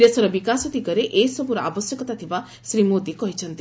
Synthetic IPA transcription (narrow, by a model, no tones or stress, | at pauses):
ɾesɔɾɔbikasɔd̪ikɔɾeʔesɔbuɾɔʔa̰bɔsjɔkɔt̪at̪ʰiba | sɾimod̪ikɔɦit͡ʃʰɔnt̪i